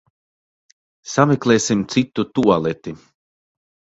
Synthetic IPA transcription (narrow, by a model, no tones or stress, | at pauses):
samɛklˠeːsimt̪sit̪ːut̪uɔlˠɛt̪i